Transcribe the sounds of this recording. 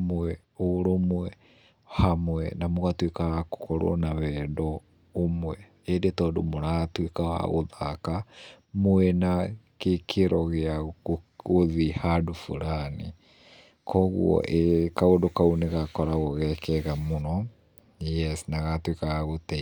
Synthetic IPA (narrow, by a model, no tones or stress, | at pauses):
mɛ | oɾomwɛ | hamwɛ̰namoɣatwekaɣako̥kɔɾɔ̰nawɛːdɔː | mwɛ | edetɔːdomoɾaːtwekaɣa̰ɣo̰ðaka | mwɛnakekʰeɾɔɣea | ɣoðihadofṵɾani | kʰɔɣṵɔ̰ʔekaodokauneɣakɔɾaɣɔɣɛkɛɣamonɔ | jɛsnaɣatwekaɣaɣotɛ